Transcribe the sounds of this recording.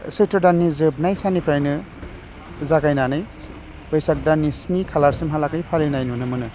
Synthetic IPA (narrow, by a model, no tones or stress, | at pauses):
setɔdanːizɯb̚najsanipʰɾajnɯ | zakajnanɯj | bɯjsak̚danːisnikʰalaɾsimɦalakajpʰalinajnunɯmɯnɯ